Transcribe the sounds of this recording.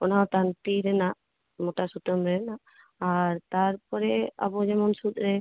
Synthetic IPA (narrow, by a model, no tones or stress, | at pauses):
ɔnat̪ant̪iɾɛnaʔ | mɔʈasut̪əmɾɛnaʔ | aɾt̪aɾpɔɾɛa̰bɔd͡ʒɛmɔnsut̪̚ˀɾɛ